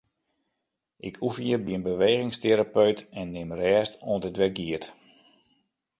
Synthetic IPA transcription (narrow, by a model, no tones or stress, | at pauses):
ʔɪkʰufjəbiənbəʋejɣɪŋsteɾapøɥtɛnːɪmrɛːstoə̃ntətʋɛrɡiət